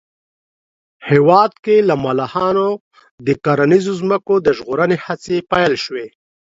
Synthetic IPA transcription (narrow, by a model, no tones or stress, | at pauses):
hewɑd̪kelamalahɑno | d̪əkaɾanizozməkod̪əʒɣoɾənehat͡sepajlʃwe